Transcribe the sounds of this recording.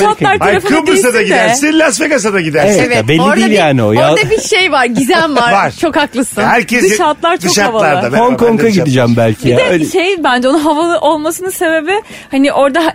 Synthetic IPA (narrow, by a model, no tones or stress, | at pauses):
ʃat̪ˠaɾtʰaɾafɯɯlb̪ɯsad̪aɡidæslʲasfeɡas̬ad̪aɡid̪æɾeɛevɛbɛlːiɾd̪iilʲjjaːniojaɾd̪abiʃejvaɾɟizænvaɾvaɾt͡ʃʰo̞kaklˠɯsɯnhæɾcʰɛsɯʃat̪lˠaɾt͡ʃʰoʃatvalˠɾˠɯaboŋkʰoŋkaɟ̪id̪id͡ʒæmbælʲcʰiɛʃejbænd͡ʒɛonunɦavalˠɯʔo̞lˠmasɯnɯse̞be̞bɪ | hanɪʔo̞ɾd̪aɦ